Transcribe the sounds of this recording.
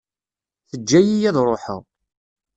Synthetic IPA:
θəd͡ʒːæjijæðɾˤoħə̰ʁ

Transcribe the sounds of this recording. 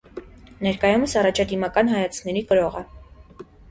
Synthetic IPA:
nɛɾkɑjuməsɑrɑt͡ʃʰɑd̪imɑkɑnɦɑjɑt͡sʰkʰnɛɾikəɾɔʁɛ

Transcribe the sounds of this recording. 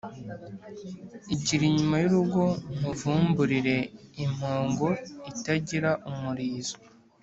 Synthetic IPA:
iɟiɾiɲumajuɾuɡo̞n̥uvuːmbuɾiɾe̞im̥hoːŋɡo̞itaɟiɾaʔumuɾiːzo

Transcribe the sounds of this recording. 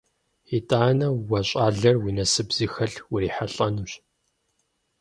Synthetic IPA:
itʼaːnɐwɐɕʼaːɮɐrwinɐsɨbz̥iːxɐɬwʊɾiːħaɬʼɐnuːɕ

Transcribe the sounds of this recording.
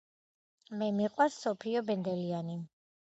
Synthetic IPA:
mɛmiqʼwasːɔpʰiɔbɛnd̪ɛliani

